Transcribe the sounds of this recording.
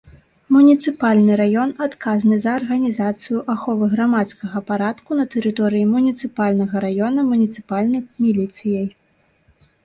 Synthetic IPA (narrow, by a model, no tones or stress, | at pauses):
munʲit̪sɨpalʲnɨɾajɔnat̪kaznɨzɐːrɣɐnʲizat̪sɨjuʔaxɔvɨɣɾamat̪skɐɣɐpaɾat̪kunɐt̪ɛɾɨt̪ɔɾɨjimunʲit̪sɨpalʲnɐɣɐɾajɔnɐmunʲit̪sɨ̥palʲnɐjmʲilʲit̪sɨjɐj